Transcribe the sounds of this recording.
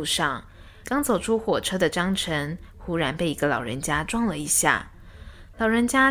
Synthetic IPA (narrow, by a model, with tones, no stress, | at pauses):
ʂɑ˥˩ŋ | kɑ˥ŋt͡so˨˩ʊʈ͡ʂʰu˥xwɔ˨˩ʈ͡ʂʰɤ˥d̪ə˨ʈ͡ʂɑ˥ŋʈ͡ʂʰə˧˥n | xu˥ɻa˧˥npe˥˩ɪi˧˥ɡə˧lɑ̰˨˩ʊɻə̰˧˥nt͡ɕja˥ʈ͡ʂwɑ˥˩ŋlə˩i˧˥ɕja̰˥˩ | lɑ˨˩ʊɻə˧˥nt͡ɕja˥